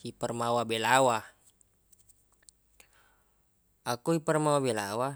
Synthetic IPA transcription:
ipərmawabelawa | ʔakuipərmawabɛlawa

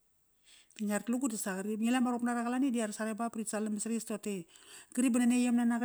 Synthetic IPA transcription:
tiɲaɾtluɡudasaɡɾimilamaɾopnaɾakalanidiaɾsaɾebapɾisalaməsɾistoteɡəɾibananejamnanak

